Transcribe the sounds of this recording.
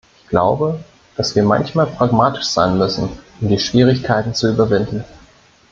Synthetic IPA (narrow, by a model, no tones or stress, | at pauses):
ɪçɡ̥la̰ʊbə | d̥asv̥iːɐma̰nçmaːlpʁ̥aɡmaːtɪ̥ʃz̥a̰ɪnmʏsn̩ʔʊmdiːʃv̥iːʁ̞ɪçkʰaɪtn̩t͡suyːbɐvɪndn̩